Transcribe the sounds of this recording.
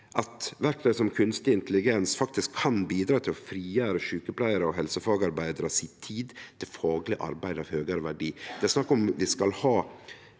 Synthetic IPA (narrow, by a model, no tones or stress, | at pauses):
ʔɑt̪ʋæɾkt̪øːsɔmkʰʉnst̪ɪɪnt̪əlɪɡɛnsfɑkt̪ɪskʰːɑnbiːd̪ɾɑːt̪ʰɪlɔfɾiːjæːɾəʃʉːkəpʰlæɪəɾəɔɦɛlsəfɑːɡɑɾbæɪd̪əɾɑsit̪ʰiːd̪t̪ʰɪlfɑːɡlɪʔɑ̰ɾbæɪd̪ɑʋhøːɡəɾəʋæɖiːd̪ɛæɾsnɑkːɔmʋɪskɑlhɑː